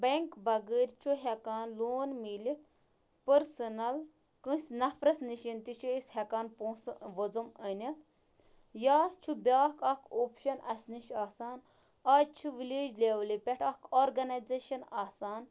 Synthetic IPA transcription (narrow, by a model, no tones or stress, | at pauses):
bɐŋkbɐɡəɾʲt͡ʃʰuɦʲɛkaːnloːnmilit̪ | pəɾsɐnɐl | kɨ̃sʲnɐfʰɾɐsniʃint̪it͡ʃʰuishɐkaːnpõːsʋɐd͡zumənʲɐt̪ | jaːt͡ʃʰubʲaːkɐkʰoːpʃɐnʔɐsʲniʃaːsaːn | aːt͡ʃʰuʋileːd͡ʒlʲeːʋlipʲɛʈʰɐkʰoːɾɡɐnɐzeːʃɐnaːsaːn